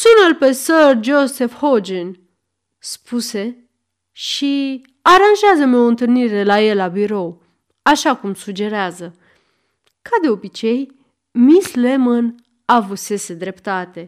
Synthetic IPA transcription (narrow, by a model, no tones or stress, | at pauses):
sunalpe̞sərd͡ʒose̞fhod͡ʒin | spʰuse̞ | ʃi | aɾanʒeazəmo̞ɨnt̪ɨlniɾe̞laje̞lːabiɾo̞w | aʃakumsud͡ʒe̞ɾeazə | kad̪e̞obit͡ʃe̞j | misle̞mən | avɨse̞se̞d̪ɾe̞pt̪at̪e̞